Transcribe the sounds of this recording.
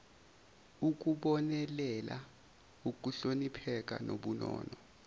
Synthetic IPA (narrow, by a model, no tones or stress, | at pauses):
uk̬uɓɔnɛlɛlʔa | uk̬uɬonipʰɛk̬a̰noɓunɔ̰ːnɔ